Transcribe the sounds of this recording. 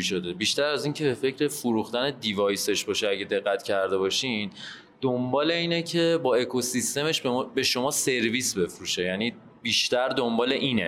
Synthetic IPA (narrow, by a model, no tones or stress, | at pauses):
ʃo̞d̪ebiʃt̪æɾæziːncʰebe̞fe̞cʰɾe̞foɾuxt̪æne̞d̪ivɒːjse̞ʃbɒʃeæɟed̪e̞ɣːæt̪ʰcʰæɾd̪e̞βɒːʃin | d̪̥ombɒːle̞iːnecʰe̞bɒːe̞kʰo̞sist̪e̞me̞ʃbe̞ʃo̞mɒːse̞ɾviːsbe̞fɾuʃejæniː | biːʃt̪æɾd̪o̞mbɒːle̞ʔiːne